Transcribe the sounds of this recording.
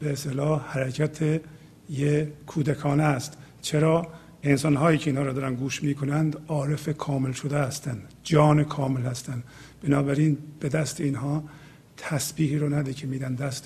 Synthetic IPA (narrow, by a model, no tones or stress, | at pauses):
beest̪elɒːhhæɾæcʰæt̪ʰe | jekʰuːd̪ækʰɒːnæst̪ | t͡ʃʰeɾɒː | ensɒnɦɒːjiːcʰeinhɒːɾɔd̪ɒːɾænɡuːʃmiːkʰonænd̪ɒːɾe̞fekʰɒːme̞lʃod̪eæst̪ænd̪ | d͡ʒɒːnekʰɒːmelhæst̪ænd̪ | b̥enɒːbæɾinb̥e̞d̪æst̪eiːnɦɒː | t̪ʰæsbiːɦiːɾonæd̪ekʰemiːd̪ænd̪æst̪